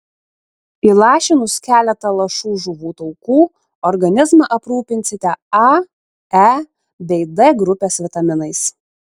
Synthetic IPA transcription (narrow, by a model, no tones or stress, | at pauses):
iːlˠɑːʃʲɪnʊskʲæːlʲɛt̪ɐlˠɐʃuːʒʊʋuːt̪ɔʊkuː | ɔɾɡɐnʲɪzmɐʔɐpɾuːpʲɪnʲsʲɪt̪ʲɛɑ | æ | bʲɛɪd̪ɛɡɾʊpʲeːsʋʲɪt̪ɐmʲɪnɐɪs